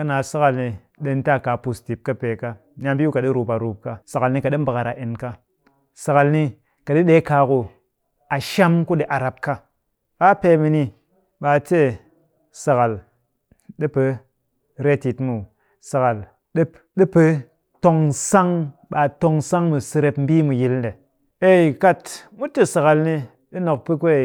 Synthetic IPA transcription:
ka˦na˨sa˦ka˨lni˧ | ɗe˧n˦ta˦˨ka˨pu˨sti˨p̚ka˦pe˨ka˦ | nʲ˦a˧mbi˦u˦ka˨ɗi˦ɾu˨pa˨ɾu˨p̚ka˦sa˨ka˨lni˧ka˨ɗe˦m̩˦ba˨ka˨ɾa˨ʔe˨nka˧ | sa˨ka˨lni˧ | ka˨ɗi˦ɗe˦ka˧ku˧ | a˨ʃa˦mku˦ɗe˨ʔa˨ɾa˨p̚ka˦ | ɓa˦pe˧mi˧ni˧ | ɓa˧te˦˨ | sa˨ka˨l | ɗi˦pe˧ | ɾe˦ti˨tmu˨ | sa˨ka˨l | ɗ | ɗi˦pe˦ | to˧ŋsa˦ŋɓa˨to˧ŋsa˦ŋmu˨sɨ˧ɾe˧pm̩˦bi˦mu˨ji˦lde˨ | e˦i˨ka˦tmu˦te˦sa˨ka˨lni˧ | ɗi˦no˨k̚pɨ˦ku˦e˨

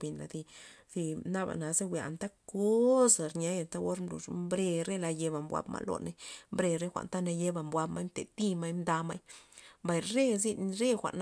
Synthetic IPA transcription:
bi˨nla̰˨d̪i˧ | d̥̪i˧na˦ba̰˨na˨˦ze˦wʷe˨a̰˨nt̪a˦ko˦sɾɲa˦ja˨nt̪a˦wo˦ɾmlṵ˨ʂmbɾe˧ɾe˦la˧je˧ba˨mbʷa̰˧˦bma̰˦lo̰˨ne˦mbɾe˧ɾe˦xʷa̰˨nt̪a˦na˧je˦ba˨mbwa˧bma˦jmt̪e˨t̪i˦ma˦jmd̪a˧ma˦jmba˨jɾe˦zi˦˧nɾe˦xʷa̰˨ʔn

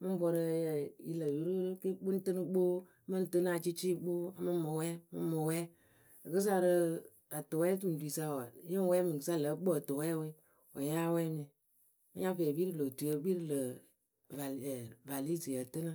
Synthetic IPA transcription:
mɨ˦m˦bɔ˧ɾɨ˧˦jɛ˨ji˨lə˨ju˨˦ɾu˦ki˦k͡pu˦n˦tɨ˦nɨ˦ɡ͡bo˦ | mə˦n˨tɨ˦na˦˨t͡ʃi˦t͡ʃi˦ɡ͡bo˦a˨mɨ˦mo˨wɛ˦mɨ̰˦mo˨wɛ˦ | a˨kɨ˦s̬a˦ɾɨ˧ | a˨to˨wɛ˦tɨ˦n˨dʷi˨sa˦wa˨jə˦wɛ˦mi˨kɨ˨˦sa˦˨lə˨˦k͡po˦a˨to˨wɛ˦we˦ | wo̰˨ja˦wɛ˦mi˨ | ma˦ɲa˦fɛ˨bi˦ɾɨ˨lo˨tu˨jə˦bi˦ɾɨ˨lə˨ | va˨va˨li˦si˨jə˨tɨ˦na˦

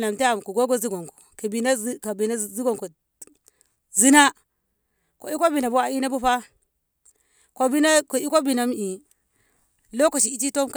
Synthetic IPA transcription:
na˨m˨ti˦a˨m˨ku˨ɡo˦ɡo˦zi˦ɡo˨ŋko̥˨ka˨bi˨na˦ka˨bi˨na˦zi˦ɡo˨ŋko˨ | zi˦na˦ | ko̰˨i˦ko˦bi˨na˨bu˦wa˨i˦na˦bu˦ɸa˦ | ko˨bi˦na˦ko˨i˦ko˦bi˨na˨m˦i˨ | lo˦ko˨ʃi˨i˦t͡ʃi˦to˦mk

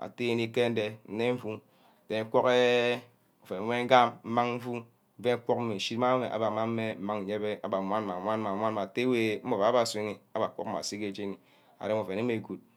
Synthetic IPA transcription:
a̰˨te˦ni˦ke˦n̩˦de˦n̩˨ne˦ɱ̩˦fu˦˨ | te˨˦kʷo˦ke˦ | o˨fe˨˦me˦ŋ̩˦ɡa˦mm̩˦ma˦ŋɱ̩˦vu˦ | ve˦ŋ˦kʷo˦km̩˦me˨n̩˨ʃi˦ta˦me˨ʔa̰˨ba˨ma˦m̩˦me˦m̩˦ma˦ŋ̩˨e˦be˦a̰˨ba˨mʷ˦a˦nma˨mʷa˦n˦ma˨mʷ˦a˦n˦ma˨te˦we˦˨m̩˦o˨va˨˦a˦ba˨se˦ŋi˦a˦ba˨kʷo̰˦kma̰˨si˦ke˦d͡ʒe˦ni˨ | a̰˨e˦mo˨ve˨ne˦me˨ɡu˨t̚

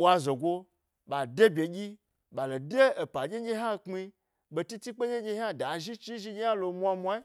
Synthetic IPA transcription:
ɓʷa˧zo˨ɡo˧ | ɓa˨de˦bʲe˨ɡʲi˦ | ɓa˨lo˨de˦e˨pa˨d͡ʒʲe˦ɲʲe˦ɦa˦˧k͡pmi˧ | ɓo˧ti˦ti˦k͡pe˦ɲe˦ɲʲe˧ha˦˨da˨ʒi˦t͡ʃi˦ʒi˧ɲe˦ja˦lo˧mʷ˦a˧mʷ˧a˦i˦

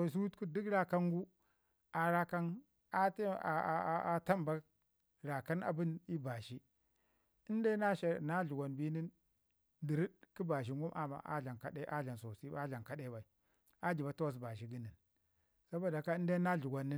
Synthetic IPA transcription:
so˨s̬i˦u˦tku˦di˦kɾa˦ka˦ŋɡu˦ | a˨ɾa˦ka˦n | a˦ta˨˦a˨ta˦mba˦ | ɾa˨ka˦na̰˨bi˦ni˦ba˨ʃi˦ | i˦nde˦na˦ʃe˨na˦ɮu˨ɡʷa˨nbi˦ni˦n | di˨ɾi˦dki˦ba˨ʃ̬i˦ŋɡu˦mʔa̰˨ma̰˨ʔa̰˦ɮa˨nka˦ɗe˦ʔa˦ɮa˨nso˨si˦a˦ɮa˨nka˦ɗe˦ba˨i˨ | a˦d͡ʒi˨ba˨˦ta˦ws̬ba˨ʃi˦ɡi˦ni˨n | sa˦bo˦˨a˨ka˦i˦n˦de˦na˦ɮu˨ɡʷa˨nːi˦

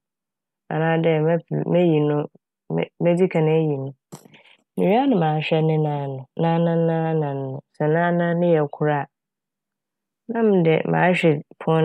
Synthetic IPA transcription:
ã̰˨nãː˦dɛ˦m˦˨mɛ˦ji˨nʊ̰̃˦˨ | mɛ˦d͡zi˦kʰã˨nɪ̃˦ji˨nʊ̃˦ | nĩ˨ɲi˦a˦nʊ̃˨mãː˨˦ɕᶣɛ˦nɪ̃˦nã˨˦nʊ̃˨nã˦nã˦nã˦nã˨n˦nʊ̃˨sɛ˨nã˦nã˦nɪ̃˦jɛ˨kʰu˦ɾa˦˨ | nã˦m˨dɛ̰˨mã̰ː˨˦ɕᶣɛ˨pʰʊ̃˦

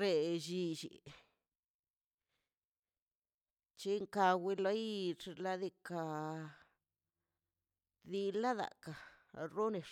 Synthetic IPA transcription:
ɾe˧ʃi˧t͡ʃḭ˨ | t͡ʃe˧˦ŋka˧wi˧lo˦jʂla˧d̪i˧ka˧ | d̪i˧la˦d̪a̰˨ka˨ | ɾo˦ne˨

